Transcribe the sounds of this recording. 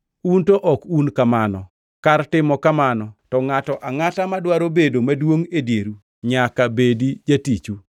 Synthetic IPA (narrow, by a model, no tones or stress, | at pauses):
untoʔɔkunkamanɔ | kartɪmɔkamanɔtɔŋatɔʔaŋatamadwaɾobedomadwoŋedjeɾu | ɲakabedid͡ʒatit͡ʃu